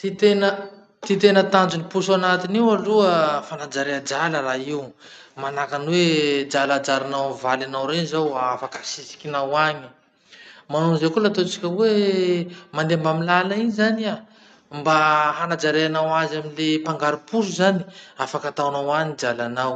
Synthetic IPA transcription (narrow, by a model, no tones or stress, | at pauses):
t̪it̪enə | t̪it̪enət̪and͡ʒunipusanat̪iniwaluəfanad͡ʒaɾead͡ʒaləraiw | manakanwed͡ʒalad͡ʒaɾanawvalanawɾenizawafakəsisi̥kʲinawaɲi̥ | manonzekulat̪ot͡si̥kʲəwe | mand̪embamilalainzania | mbaɦanad͡ʒaɾeanawazaminlepaŋɡaɾipus̬uzani̥afakat̪awnawanid͡ʒalanaw